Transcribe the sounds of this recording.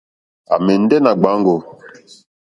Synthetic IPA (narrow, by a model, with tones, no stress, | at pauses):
a̰˨mɛ˨n˦dɛ˦na˨ɡ͡ba˨˦ŋɡo˨